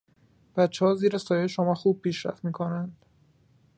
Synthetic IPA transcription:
b̥æt̪t͡ʃʰːehɒːziːɾesɒːjejʃomɒːxuːb̥̚pʰiːʃɾæ̰ft̪miːkʰonænd̪̥

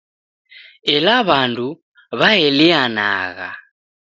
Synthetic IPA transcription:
ɛlaβandʱu | βaɛliana̰ːɣa̰

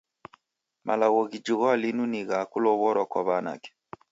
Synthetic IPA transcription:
mʔa̰laɣɔɣid͡ʒiɣɔalinuniɣakulɔβɔɾwakwaβana̰kɛ̥

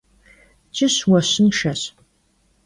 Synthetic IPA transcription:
t͡ʃʼɪɕwɐɕɪnʃɐɕ

